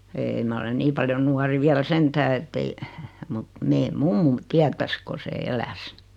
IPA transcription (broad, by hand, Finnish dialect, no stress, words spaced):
eːĭ mɑ olen niː pɑljon̆ nuɑri ʋiæl sentæː etːei mut meː mumːum tiætæs ko se elæs